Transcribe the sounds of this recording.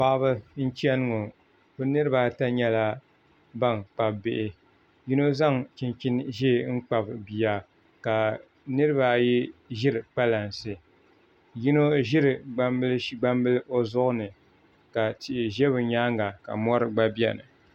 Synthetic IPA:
pa˦ʔbɨ˦n̩˦t͡ʃɛ˦nɨ˦ŋo˨ | bo˦nɨ˦ɾɨ˦ba˦ta˦ɲɛ˦la˦ | ba˦˨ŋk͡pa˨bbɪ˦ʔɪ˨ | ji˦no˦za˦˨ŋt͡ʃi˨nt͡ʃi˦nʒe˦˨ŋ̩˦k͡pa˨bbi˨ja˨ | ka˨ | nɨ˦ɾɨ˦ba˨jɛ˦ʒɪ˦ɾɨ˨k͡pa˦la˨nsɨ˨ | ji˦no˦ʒɪ˦ɾɨ˨ɡ͡ba˦mbɨ˦lʃɡ͡ba˦mbɨ˦lɨ˦ʔo˦zʊ˦ʔʊ˦nɨ˨ | ka˨ti˨ʔɪ˨ʒɛ˦βɨ˨ɲaː˦ŋa˨ka̰˨mɔ˦ɾɨ˨ɡ͡ba˦bi˦ɛ̰˨nɨ˨

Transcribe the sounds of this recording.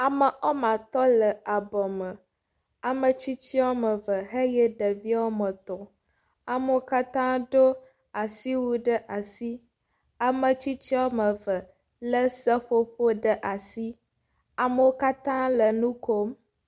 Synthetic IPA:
a˨mə˨ʔɔ˦mã˨t̪ɔ˦lə˨a˨bɔ˨mə̃˨ | a˨mə˨t͡ɕi˦t͡ɕi˦wo˦mə˨və˨ɦe˦je˦ɖə˨vi˦wo˦mə˨t̪ɔ˨ | a˨mə˦o˦ka˦t̪ã˦ɖo˦ | a˨si˦wu˦ɖə˦ʔa˨si˦ | a˨mə˨t͡ɕi˦t͡ɕi˦o˦mə˨və˨ | lə˦sə˦ɸo˦ɸo˦ɖə˦ʔa˨si˦ | a˨mə˦˨wo˦ka˦t̪ã˦lə˨nũ˦ko˦m

